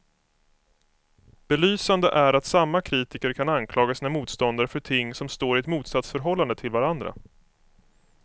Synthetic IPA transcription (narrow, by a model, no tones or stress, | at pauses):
b̥ɛlyːsand̪əʔæɾat̪samːakʰɾiːt̪ɪkəɾkʰanankʰlɑːɡasiːnamuːt̪st̪ɔnd̪aɾəfœʈʰɪŋːsɔmst̪oːɾɪɛt̪muːt̪sat̪sfœɾɦɔlːand̪ət̪ʰɪlvaɾand̪ɾa̰